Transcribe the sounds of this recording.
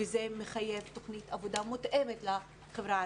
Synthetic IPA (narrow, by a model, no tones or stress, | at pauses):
ezemeχajevt̪oχnit̪avod̪amut̪ʔemet̪la | χevɾa